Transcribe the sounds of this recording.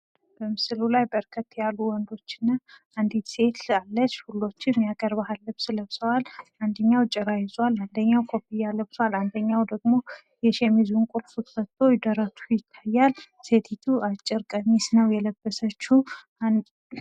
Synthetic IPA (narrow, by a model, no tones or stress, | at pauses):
b̥əmɨsɨlulajbəɾkʰət̪ːjalːuwɔnd̪o̞t͡ʃːɪnːa | and̪it̪se̞t̪ʰalːət͡ʃːhulːo̞t͡ʃːɪnmjakʼəɾbahalːəbsɨləβsəwaland̪əɲːawt͡ʃʼɛɾajɪzwaland̪əɲːawkʰo̞pʰijaləbsəwaland̪əɲːawd̪əɡmo̞ | jɛʃemizunkʼulfut̪ʰfət̪ʰʼːo̞jɪd̪əɾət̪ʰujɪt̪ʰːajːal | set̪ʰit̪ʰuat͡ʃʼːɪɾkʼəɲisnəwjɛləbːəsət͡ʃːu